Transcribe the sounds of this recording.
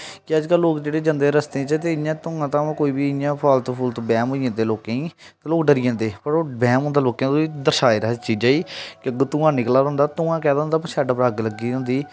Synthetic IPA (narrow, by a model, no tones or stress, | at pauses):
kɪəd͡ʒkəlːoːkd͡ʒeːɽeːd͡ʒənd̪eːɾəst̪ẽːt͡ʃət̪eːɪjãːt̪ʊŋãːt̪ãːãːkoːiːbiːɪjãːpʰaːlt̪ːpʰuːlt̪obɛːmɦoːijãːd̪eːloːkẽːĩːt̪aloːkɖəɾijãːd̪eːpəɾoːbɛːmɦʊ̃nd̪aːloːkjãːt̪oiːd̪əɾʃaːiːɾəɦt͡ʃiːd͡ʒaːiːkɪəɡt̪ʊŋãːnɪklaːɾə̃ːnd̪aːt̪ʊŋãːkɛːd̪aːɦnd̪aːp̬əsɛːɖpɾaːɡləɡiːɦʊ̃nd̪iː